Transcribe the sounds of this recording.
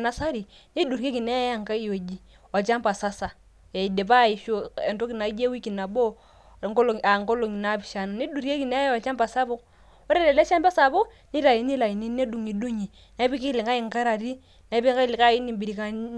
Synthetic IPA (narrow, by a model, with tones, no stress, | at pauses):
na˨sa˦ɾi˨ni˦du˨ɾke˦ki˨na˦a˦˨ŋka˦i˦˨jo˨d͡ʒi˨ | a˨t͡ʃa˦mpa˨sa˦sa˨ | ja˨i˨de˨pa˦˨i˨ʃo˦e˨nto˦ki˨na˨˦d͡ʒe˦wi˦ki˨na˨bo˦˨ | ŋko˦lo˨a˨ŋko˦lo˨ŋi˨na˦bi˨ʃa˨na˨ni˦du˨ɾke˦ki˨ne˦a˨t͡ʃa˦mpa˨sa˦bʊ˦k | ɔ˦ɾe˦de˨le˦ʃa˦mba˦sa˨bʊ˦ | ni˦ɾa˨ji˨ni˦la˨i˨ni˦ne˦du˨ŋi˨du˦ɲi˨ | na˨˦bi˦ki˦li˨ŋɡa˦i˨ŋka˦ɾa˨ɾi˦ | na˨˦bi˦ka˦li˨ka˦i˦ni˨mbi˨ɾi˨ka˦